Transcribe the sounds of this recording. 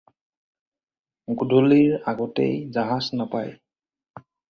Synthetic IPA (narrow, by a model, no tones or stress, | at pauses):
ɡudʱoliɹaɡɔtḛjzaɦaznapa̰j